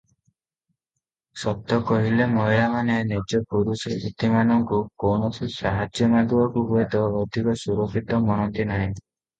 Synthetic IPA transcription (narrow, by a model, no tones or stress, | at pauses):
sɔt̪ːɔkɔɦilemɔɦilamanenid͡ʒɔpuɾuseit̪imanɔŋkukownɔsʰisaɦad͡ʒjɔmad̪uɔkuɦuet̪ɔːwd̪ʱikɔsuɾokʰit̪ɔmɔñɔnt̪inaɦĩ